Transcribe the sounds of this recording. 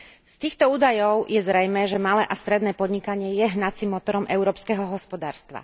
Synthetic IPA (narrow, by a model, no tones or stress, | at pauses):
st̪iːxt̪ɔuːd̪ajɔʊjɛzɾɛjmɛːʒɛmalɛːʔast̪ɾɛd̪nɛːpɔd̪ɲikaɲɪɛjɛɦnat͡simːɔt̪ɔɾɔmʔɛʊɾɔːpskɛɦɔɦɔspɔd̪aːɾst̪ʋa̰